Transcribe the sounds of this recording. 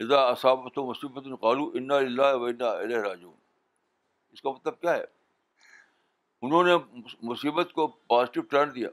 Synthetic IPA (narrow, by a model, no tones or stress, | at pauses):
ɪzaːɐsaːbɐt̪omʊsiːbət̪nqaːluːʔɪnːaːlɪlːaːɦʋɐɪnːaːɪ̰leːɦɾaːd͡ʒṵːn | ɪskamɐt̪ləb̚kjaːɦɛ̰ː | ʊnɦõːnemʊsiːbət̪kopaːzɪʈɪʋʈɐɳd̪ija̰ː